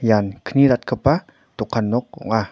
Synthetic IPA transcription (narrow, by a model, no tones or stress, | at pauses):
jankʰəniɾat̪̚kʰəpa | t̪ukʰanːɔk̚ṵŋa